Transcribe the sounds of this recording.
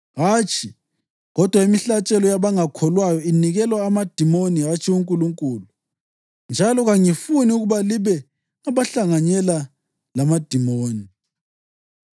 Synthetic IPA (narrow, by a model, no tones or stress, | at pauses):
ɣaːt͡ʃʰi | ɣɔd̥ʱwaimiɬat͡ʃʼɛlɔjaβaŋakʰɔlwajɔiniɣɛlwaːmad̥ʱimoniɦat͡ʃʼʰiuŋkʼuluŋkʼuːlu | nd͡ʒʱalɔɣaŋifuniuɣuβaliβɛ | aβaɬaŋaɲɛla | lamad̥ʱimoːni